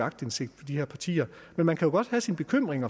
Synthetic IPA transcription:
ɑ̈ɡ̥d̥ense̝ɡ̥̚d̥pʰɒ̽d̥iheɐ̰pʰɑ̈t͡sʰḭːɐ | menmænkʰæjo̝ɡ̥ɒ̽d̥hæsinəb̥e̝kʰøm̰ʁeŋɐ

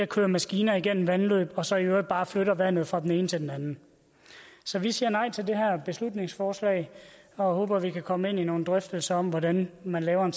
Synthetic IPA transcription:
ɐkʰøːɐmæsɡ̥iːnɐiɡ̥en̰m̩ʋænlø̰ːb̥ɒ̽sɒ̽iø̥b̥ɑ̈ːfløɾ̥ɐʋæn̰ð̩ˠfʁɑ̈d̥ene̝ːnət͡sʰe̝ld̥enænn̩ | sɒ̽ʋisiːɐnɑ̈ɪ̰t͡sʰe̝ld̥eɦæɐ̰b̥e̝slud̥ne̝ŋsfɒːslɛ̰ɪ̰ | ɒ̽ho̰ːb̥ɐʋikʰækʰɒ̽me̝n̰ino̝ːn̩d̥ʁœfd̥l̩sɐɒ̽m̰ʋɒɾ̥ænmænlɛːʊɐen

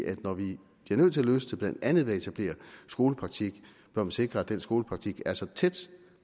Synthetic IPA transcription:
ʔæd̥nɒʋi | b̥liɐnøð̰ˠt͡sʰe̝æløst͡sʰeb̥læn̰d̥ænð̩ˠʋe̝ɐe̝t͡sʰæb̥le̝̰ːɐsɡ̥o̝ːləpʰʁɑ̈ɡ̥̚t͡sʰiɡ̥ | b̥ɶɐmænse̝ɡ̥ʁɐæd̥ensɡ̥o̝ːləpʰʁɑ̈ɡ̥̚t͡sʰiɡ̥æɐsɒ̽t͡sʰed̥

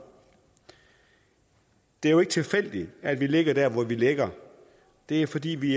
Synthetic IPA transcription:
d̥e̝æɐjoe̝ɡ̥ət͡sʰe̝lfel̰d̥i̥æd̥ʋile̝ɡ̥ɐd̥æɐ̰ʋɒʋileɡ̥ɐ | d̥e̝æɐfɒ̽d̥ḭːʋi

